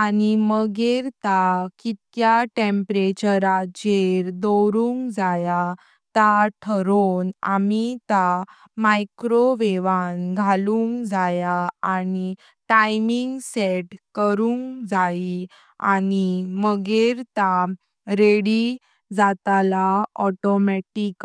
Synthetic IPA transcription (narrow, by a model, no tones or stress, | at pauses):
animəɡeɾt̪akit̪kjaʈempɾet͡ɕəɾad͡ʑeɾd̪owɾuŋkd͡zaja | t̪aʈʰəɾona̰mit̪a | majkɾoʋeʋanɡʱalũŋkd͡zajaani | ʈajmiŋɡseʈkəɾũŋkd͡zai | animəɡeɾt̪a | ɾeɽi | d͡zat̪alaɔʈɔmɛʈik